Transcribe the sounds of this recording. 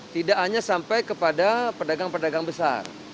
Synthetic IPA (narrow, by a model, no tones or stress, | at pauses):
t̪idaʔɦaɲasampajkəpadapədaɡaŋpərdaɡaŋbəsa̰r